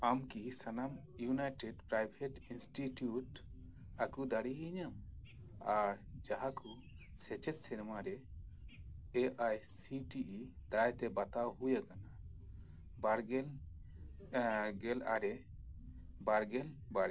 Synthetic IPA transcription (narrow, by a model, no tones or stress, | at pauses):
amkiɦisanam | junajʈɛɖpɾajbʱɛʈinsʈitjuʈ | akud̪aɽiɦiɲam | aɾd͡ʒaɦaku | sɛt͡ʃɛt̪sɛɾmaɾɛ | ɛʔajsiʈiʔid̪̥ajt̪ɛbat̪awhujakana | baɾɡɛ | ɡɛla̰ɾɛ | baɾɡɛlbaɽi